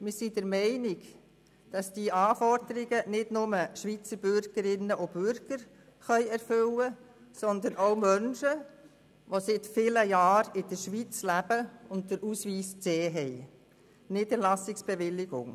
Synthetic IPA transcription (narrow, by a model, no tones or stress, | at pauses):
mɪsid̥əɾmɛɪnɪɡ | d̥ɑsd̥iːʔɑːfɔɾd̥əɾɪɡənɪdnʊməʃʋiːt͡səɾb̥ʏɾɡ̥əɾɪnːəʔʊb̥ʏɾɡ̥əɾ | χœʏɛɾfʏwə | sɔnd̪ənomœnʃə | ʋosɪtfɪləjɑːɾɪd̥əɾʃʋit͡slæb̥əʊnt̚d̥əɾuːsʋiːskseːɦɛɪ | nɪdəlɑsɪksb̥eʋɪlːɪɡ̥ʊ̰ŋ